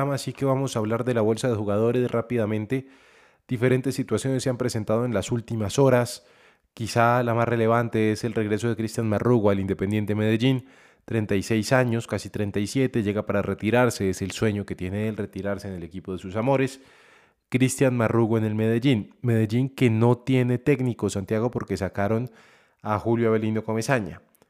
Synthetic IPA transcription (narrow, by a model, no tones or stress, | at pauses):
amasike̞βamo̞saːβlaɾðe̞laβo̞lsaðexuɣað̞o̞ɾe̞srʔapiðamẽ̞nt̪e̞ | d̪̥ife̞ɾe̞nt̪e̞sːit̪wasjo̞nesːeampɾe̞sent̪að̞oe̞nlasult̪imaso̞ɾas | kisalamasre̞le̞β̞ant̪e̞ese̞lre̞ɣɾe̞so̞ð̞e̞kɾist̪janmaruɣoalind̪epe̞nd̪je̞nt̪e̞meðeʝin | t̪ɾe̞nt̪ajse̞jsaɲo̞skasit̪ɾe̞nt̪ajsje̞t̪e̞ʝe̞ɣapaɾare̞t̪iɾaɾse̞eselswe̞ɲo̞ke̞t̪je̞ne̞elre̞t̪iɾaɾse̞ːne̞le̞kipo̞ð̞e̞susamo̞ɾe̞s | kɾist̪janmaruɣoene̞lme̞ð̞e̞ʝinme̞ð̞e̞ʝiŋke̞no̞t̪je̞ne̞t̪e̞ɡnikosant̪jaɣo̞po̞ɾke̞sakaɾo̞n | axuljoaβe̞lino̞kome̞saɲa̰